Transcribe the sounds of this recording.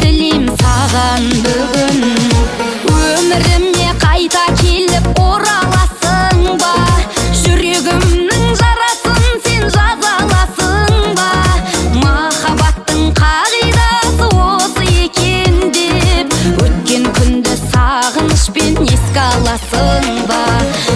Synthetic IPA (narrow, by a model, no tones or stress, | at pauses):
tɪlejmsɑʁɑnbʏɡʲɪn | wɵmɪɾɪmːe̞qʰɑjt̪ɑkʲʰe̞lɪp̚oɾɑlˠɑsəɴbɑʒʏɾe̞ɡʲɪmnɪŋʒɑɾɑsənse̞nʒɑzɑlˠɑsəɴbɑmɑχɑbɑt̪ːəɴqʰɑʁijd̪ɑsəwosəe̞kʲe̞nd̪e̞pwɵt̪kʲe̞ŋkʲʰʏnd̪ɪsɑʁənəʃpe̞ne̞skʲɑlˠɑsəɴbɑ